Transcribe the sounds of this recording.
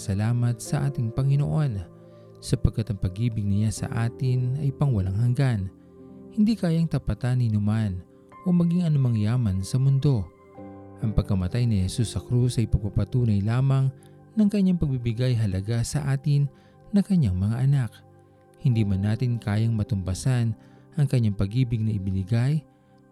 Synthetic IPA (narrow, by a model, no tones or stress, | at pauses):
sɐlaːmɐt̪̚sɐʔaːt̪ɪŋpɐŋɪno̰ʔo̞n | sɐpɐɡ̚kːat̪ɐŋpɐɡiːbɪɡ̚nɪɲasɐ̰ʔaːt̪ɪnɐjpɐŋwɐlaŋhɐŋɡan | hɪnd̪ikaːjɐŋt̪ɐpɐt̪anɪnʊman | ʔomɐɡiŋɐnʊmaŋjaːmɐnsɐmʊnd̪o̞ | ʔɐŋpɐɡ̚kɐmɐt̪ajnɪhɛsusːɐkɾusɐjpɐɡ̚papɐt̪uːnɐjlaːmɐŋ | nɐŋkɐɲːaŋpɐɡ̚bibɪɡajɦɐlɐɡasɐʔaːt̪ɪnː | ɐkɐɲːaŋmɐŋaʔɐnak̚ | hɪnd̪iːmɐnːaːt̪ɪnkaːjɐŋmɐt̪ʊmbɐsanʔɐŋkɐɲːaŋpɐɡiːbɪɡ̚nɐʔɪbɪnɪɡaj